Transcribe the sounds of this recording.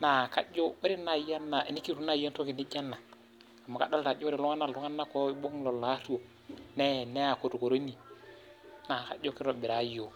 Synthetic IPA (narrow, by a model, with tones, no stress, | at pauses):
na˨ka˦d͡ʒo˦bi˦ɾi˦na˨ja˦nːa˨i˨ni˦kːi˦tu˦na˦˨ja˦nto˦ki˨ni˦d͡ʒa˦nːa˨ | a˨mːa˨ka˦˨da˦lta˨d͡ʒo˦ɾi˨lu˦ŋa˦nːa˨lu˦ŋa˦nːa˦ko˦i˦ɓo˦ŋlo˨la˦tu˦o˨ | ne˦˨ne˦a˨ko˨tu˨ko˨ɾo˦ni˨ | na˨ka̰˦d͡ʒo˦ki˦ɾo˨bi˨ɾa˨˦jo˨